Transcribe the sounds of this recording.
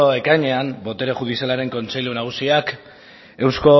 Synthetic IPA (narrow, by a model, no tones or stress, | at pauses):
oe̞kaɲe̞ambo̞t̪e̞ɾeʝuðisealaɾe̞ŋko̞nt͡se̞ʎunaɣusiak | e̞wsko̞